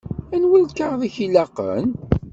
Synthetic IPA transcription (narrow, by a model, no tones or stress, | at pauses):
ænwælkaɾðˤiçilɑqə̰n